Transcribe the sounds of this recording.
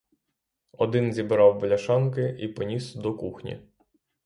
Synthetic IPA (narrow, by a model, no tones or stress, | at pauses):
ɔd̪ɪnzʲibɾɑwbɔlʲɐʃɑnkɪipɔnʲisd̪ɔkuxnʲḭ